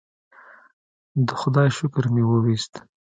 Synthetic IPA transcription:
d̪əxʊd̪ɑjʃʊkɾmewəwist̪

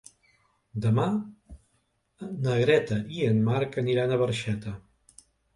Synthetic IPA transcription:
d̪əma | nəɣɾɛt̪əʔiənmaɾkəniɾanəβəɾʃɛt̪ə

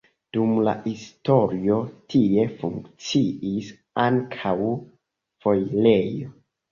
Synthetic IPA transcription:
d̥umla̰histo̞ɾio̞tʰie̞fuŋkt͡siʔis | aŋkʰaw | fo̞jle̞jo̞

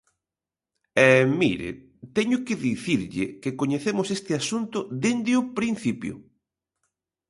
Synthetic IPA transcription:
ɛmḭɾɪ̰ | t̪ɛɲʊkɪðiθiɾʎɪ̰kɪkoɲeθemʊsest̪ɪasunt̪ʊðend̪ɪʊpɾin̟θipjʊ̰

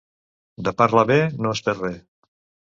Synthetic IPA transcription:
d̪əpaɾlaβenoespeɾre

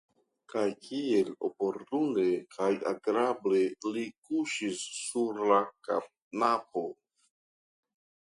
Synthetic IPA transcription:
kajkʰie̞lo̞̰po̞ɾtune̞kʰaja̰ɡɾable̞likuʃisːuɾlaka̰p̚napo̞

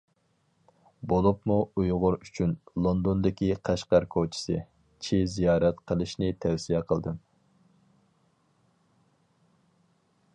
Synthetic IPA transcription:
bolˠupmuujʁʊɾyt͡ʃʰynlˠond̪ond̪ɪkʲiqʰæʃqɑɾkʰot͡ʃʰi̥sɨ | t͡ʃʰizijɑːɾɛt̪qʰəlˠɨʃnɪt̪ʰɛwsijɛqʰəlˠd̪ɨm

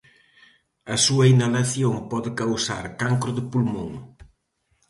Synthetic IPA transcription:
ɐsuɐinalaθjoŋpɔðɪkawsaɾkaŋkɾʊðɪpulmõŋ

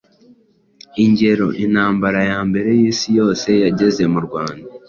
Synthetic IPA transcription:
iɲɟe̞ɾo̞ʔin̥haːmbaɾajaːmbe̞ɾe̞jiːsijo̞ːse̞jaɟe̞ze̞muɾɡwaːnda

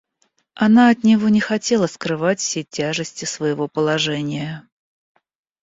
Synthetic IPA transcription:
ɐnaɐt̪nʲɪvo̞nʲɪxɐtʲe̞lˠəskɾɨvatʲfsʲetʲaʐɨsʲtʲɪsvəjɪvo̞pəlˠɐʐɛnʲɪjə

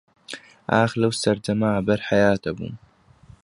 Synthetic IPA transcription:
ʔaːxlawst̪ɐɾd͡ʒamaːʕbɐɾħajaːt̪abṵm

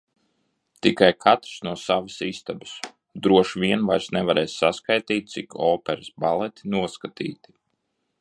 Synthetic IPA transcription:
t̪ikajkʰat̪ɾsnuɔsavasist̪abɨs | d̪ɾuɔʃvʲiɛnvajɾsnɛvaɾɛːjsːaskajt̪iːt̪̚sikʰɔːpɛɾɨsbalˠɛt̪i̥nuɔskat̪ḭːt̪i̥

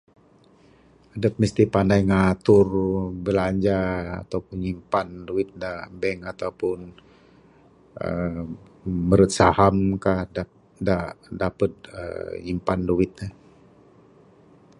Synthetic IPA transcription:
adəp̚məst̪ipandajŋat̪ʊrbəlaɲd͡ʒaa̰t̪awpʊnɲimpanduwɪt̪̚dabɛŋat̪awpʊn | ə̰ | məɾət̪̚sahamkahda | dadapət̪̚ə̰ɲimpanduɪt̪̚ɲə

